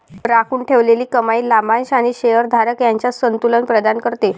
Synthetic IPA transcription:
ɾakʰuːɳʈʰeʋleliːkəmaiːlamãnɕaɽ̃iɕejəɾd̪ʱaɾəkjaɲt͡ɕjasənt̪ulənpɾəd̪ankəɾt̪e

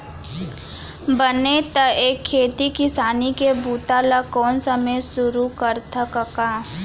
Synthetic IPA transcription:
bənet̪ɐʔeːkʰːeːt̪ikɪsaːnikebuːt̪aːlakɔːnsəməjsʊɾukəɾt̪əkəkaː

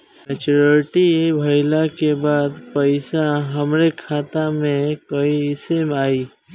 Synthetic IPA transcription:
mɛt͡ʃuɾəɾʈiebʱəɪlakebaːd̪pəɪsaɦəmɾekʰaːt̪amẽkəiɪsemaːi

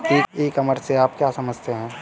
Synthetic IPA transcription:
iːeːkɐməɾseaːp̚kjaːsɐməd͡ʒʱt̪eɦɛ̃ː

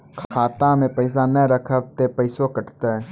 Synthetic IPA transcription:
kʰkʰaːt̪ãmẽpəɪs̬anɛɾəkʰəb̚t̪epəɪsokəʈt̪e

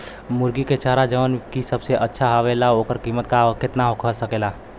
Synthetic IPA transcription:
mʊɾɡiket͡ʃaɾad͡ʒəʋnkisəbseʔətːʃʰaɦaʋelaoːkəɾkiːmət̪̚kaket̪naɦokʰəsəkeːla

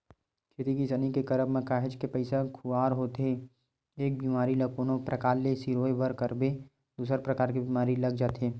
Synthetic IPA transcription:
kʰeːt̪ikisɐnikekɐɾəbmẽkaːɦɪd͡ʒkepəɪsakʰuaːɾɦoːt̪ɦeː | eːk̚biːmaːɾilɐkoːnõpɾɐkaːlːesiɾoːebəɾkəɾbe | d̪uːsəɾpɾɐkaːɾkibiːmaːɾilɐɡ̚d͡ʒaːt̪ɦeː

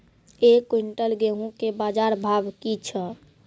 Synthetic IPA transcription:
ekwiɳʈəlɡeɦũkebad͡ʒaɾbʱabkit͡ʃʰə

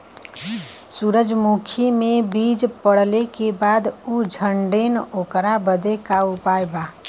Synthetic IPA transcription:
suɾəd͡ʒmukʰimebid͡ʒpəɽ̤lekebaːd̪ud͡ʒʱəɳɖenokɾabəd̪ekaupajba

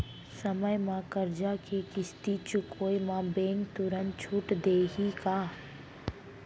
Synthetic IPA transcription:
səməjmãkəɾd͡ʒakʰekɪst̪it͡ʃʊkoːjmãbeːŋɡt̪ʊɾən̚t͡ʃʰʊʈd̪eːɦikaː

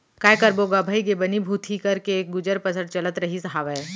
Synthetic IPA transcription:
kaːjkɐɾboːɡabʱaikebɐnibʱuːt̪ʰikɐɾkeɡʊd͡ʒəɾpɐsəɽt͡ʃɐlət̪ɾɐɦisɐɦaːʋɛː

